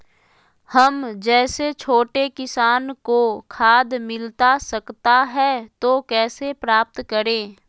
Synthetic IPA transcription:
hɐmd͡ʒɛːset͡ʃʰoːʈekɪsaːnkokʰaːd̪mɪlt̪asɐkt̪aɦɛt̪oːkɛːsepɾaːp̚t̪kəɾẽː

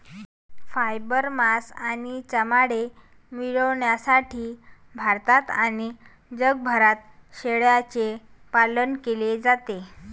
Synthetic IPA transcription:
fajbəɾmasanit͡ɕəmaɽe | miɭəʋɳjasaʈʰiːbʱaɾt̪at̪ani | d͡ʑəɡ̚bʱəɾat̪̚ɕeɭjat͡se | palənkeled͡zat̪e

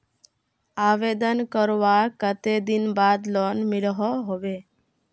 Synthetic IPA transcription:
aːʋed̪ənkəɾʋakət̪ed̪inbaːd̪lɔnmɪlɦɔɦobe

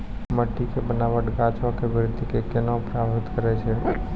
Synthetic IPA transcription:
məʈːikebənaːʋəʈɡaːt͡ʃõkeʋəɾd̪ʱikekenɔ̃pɾabɦɪt̪kəɾɛt͡ʃʰe

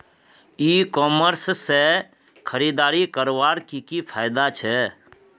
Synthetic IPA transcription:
ikɔməɾsse | kʰəɾid̪aːɾikəɾʋaːɾkikipʰaːjɪd̪at͡ʃʰɛ

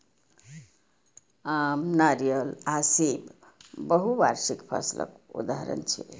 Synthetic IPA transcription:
amnaɾijəlasib | bəɦuʋa̰ɾsikpʰə̰silʔə̰kṵd̪aɦɾə̰nt͡ʃʰɛ

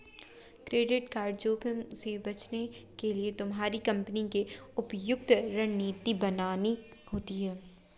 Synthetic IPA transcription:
kɾeːɖɪʈkaːɾɖd͡ʒoːpəmsebɐt͡ʃnekeliet̪ʊmɦaːɾikɐ̃mpnikeʊpjʊk̚t̪ɾɐɳniːt̪ibɐnaːnihoːt̪iɦɛː

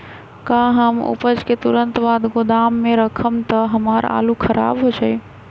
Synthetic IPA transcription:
kãɦəmṵpəd͡ʒket̪uɾənt̪bad̪ɡod̪amːeɾəkʰəmt̪əɦəmaɾa̰lukʰəɾa̰bɦot͡ʃʰaj

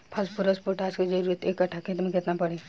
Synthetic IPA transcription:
pʰɐspʊɾəspoʈaːsked͡ʒɐɾuːɾət̪ekːɐʈʰakɪt̪nẽkɪt̪napɐɽeː

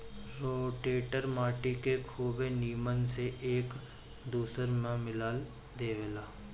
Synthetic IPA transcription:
ɾoːʈeːʈəɾmaːʈikekʰuːbeniːmənseʔeːk | d̪uːsəɾmẽmɪlaːl | d̪eːʋelaː

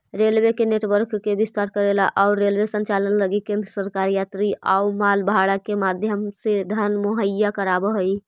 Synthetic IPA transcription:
ɾelʋekeneʈʋəɾkːebist̪aɾkəɾelaʔaʊɾːelʋesənt͡ʃalənləɡikẽnd̪ɾəsəɾkaɾjat̪ɾiʔa̰umalbɦaɽakemad̪ʱjəmsed̪ʱənmoɦəjakəɾabəɦəi

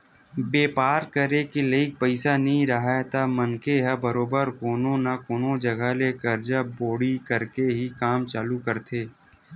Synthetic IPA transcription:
beːpaːɾkəɾekileɪk̚pəɪsanɐɦĩɾɐɦat̪amɐnkeɦɛbɐɾoːbəɾkoːnõnakoːnõd͡ʒɐɡalekɐɾd͡ʒaboːɽikɐɾkeɦikaːmt͡ʃaːlukɐɾt̪ʰeː

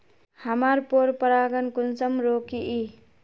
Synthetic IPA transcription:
həmaɾpoɾpəɾaɡənkunsəmɾokiʔi

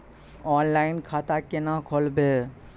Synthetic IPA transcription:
ɔːnlaɪnkʰat̪akenakʰolbe

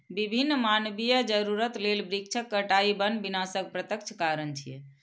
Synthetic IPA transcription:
bibʱinːmanbijəd͡ʒəɾuɾət̪lelbɾik̚t͡ʃʰəkːəʈaibənbinasək̚pɾət̪əkt͡ʃʰkaɾənt͡ʃʰijɛ̰

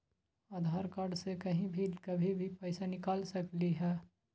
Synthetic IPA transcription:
aːd̪ʱaːɾkaːɖsekɐɦĩbʱikɐbʱibʱipɛɪsanɪkaːlsɐkliɦɛː

